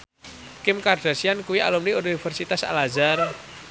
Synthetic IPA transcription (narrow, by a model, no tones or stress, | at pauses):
kɪmkarɖ̥a̤siankuwia̰lumniunifərsit̪asa̰lazar